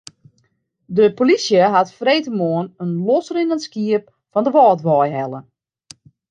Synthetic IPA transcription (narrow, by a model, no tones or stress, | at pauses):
dəpolisjəɦatfreːtəmoənənlɔsərinənskiəp̚ | fɔndəʋɔːtʋɔjɦɛlˠə